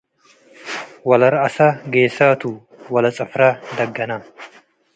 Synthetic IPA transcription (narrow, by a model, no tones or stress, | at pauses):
wɐlɐɾɐːsɐɡeːsat̪u | wɐlɐt͡sʼɐfɾaːd̪ɐɡːɐnɐ